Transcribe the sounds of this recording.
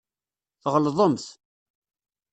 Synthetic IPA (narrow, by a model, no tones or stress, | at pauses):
θʁlðˤʊmθ